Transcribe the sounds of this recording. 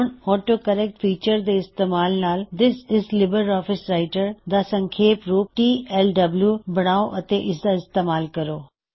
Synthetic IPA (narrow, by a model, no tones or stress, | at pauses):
nhɔːʈokɐɾɛk̚ʈfiːt͡ʃəɾd̪eɪst̪eːmaːlnaːld̪ɪsɪzlɪbəɾɔːfɪsɾaːɪʈəɾd̪asɐ̃ŋkʰeːpɾuːp̚ʈiːɛlɖɐbljubɐɽ̃aːoʔɐt̪eʔɪsd̪aɪst̪eːmaːlkɐɾoː